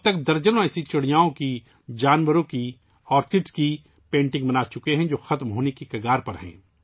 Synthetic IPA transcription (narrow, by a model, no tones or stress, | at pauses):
ɐbt̪ɐkd̪ɐɾd͡ʒənõɛːsit͡ʃɐɽijaːõki | d͡ʒaːnʋəɾõki | ɔːɾkɪʈski | pẽːɳʈɪ̃ŋɡbɐnaːt͡ʃʊkeɦɛ̃d͡ʒoːxɐt̪mɦoːnekikɐɡaːɾpɐɾɦɛ̰̃ː